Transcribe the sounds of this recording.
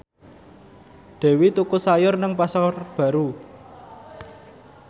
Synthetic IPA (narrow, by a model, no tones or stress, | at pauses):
d̪̥e̤wit̪ukusajʊrnəŋpasarb̥a̤ɾu